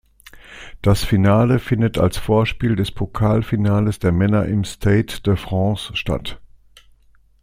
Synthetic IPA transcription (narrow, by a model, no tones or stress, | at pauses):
d̥asfinaːləfɪndəta̰lsfoːɐʃpiːldɛspʰokʰaːlfinaːləsd̥eːɐmɛnɐʔɪmstʰeɪtd̥əfʁ̥ɑ̃ːsʃta̰t